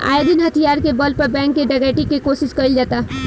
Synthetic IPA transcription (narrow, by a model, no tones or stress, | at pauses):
a̰ːjed̪inɦət̪ʰijaːɾkebəlpəɾbɛ̃ːŋkːeɖaɡɛʈikekosɪskəild͡ʒaːt̪aɦ